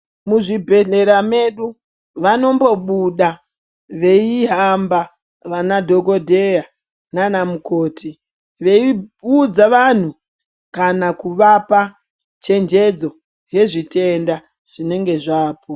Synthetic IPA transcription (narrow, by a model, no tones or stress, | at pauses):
muʐibʱe̞ɮe̞ɾame̞ɗu | ʋano̞mbo̞ɓuɗa | ʋe̞iɦamba | ʋanadʱo̞ɡodʱe̞ja | nanamuko̞ːtʰi | ʋe̞iud͡zaʋan̤u | kanakuʋapa | t͡ʃe̞nd͡ʒe̞d͡zo̞ | je̞ʐitʰe̞nda | ʐ̥ine̞ŋɡe̞ʐaːpʰo